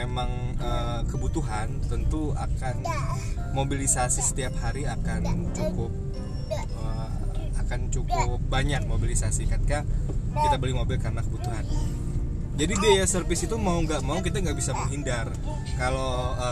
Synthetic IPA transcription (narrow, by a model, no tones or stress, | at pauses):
emaŋə | kəbut̪uɦant̪ənt̪ua̰kanmobilisasisə̥t̪iap̚haɾiakant͡ʃukʊp̚ | ə | akant͡ʃukʊpbaɲak̚mobilisasikat̪̚kakit̪abəlɪmobɪlkarənakəbut̪uɦan | d͡ʒadibiajasərfɪsit̪umauŋɡaʔmaukit̪aŋɡaʔbisaməŋɦindar | kaloə